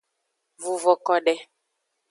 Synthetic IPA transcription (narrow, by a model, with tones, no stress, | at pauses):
vu˨vɔ˨kɔ˦ɖɛ˦